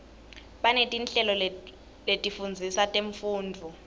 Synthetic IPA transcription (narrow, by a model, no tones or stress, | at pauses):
ɓanetʼinɬɛlɔ | letʼifund͡zʱisatʼeɱfuːndʱu